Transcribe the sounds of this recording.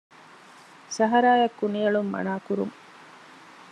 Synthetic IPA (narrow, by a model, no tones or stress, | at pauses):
sɐɦɐɾaːjɐkːunijɐɭumːɐ̰naːkuɾṵŋ